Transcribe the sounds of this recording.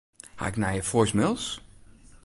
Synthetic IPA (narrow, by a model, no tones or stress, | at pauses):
ha̰ɪknajəfojsmɪlˠs